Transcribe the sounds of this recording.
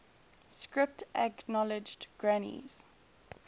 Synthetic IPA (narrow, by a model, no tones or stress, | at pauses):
skɹɪp̚təknɔlɪd͡ʒdɡ̥ɹanḭz̥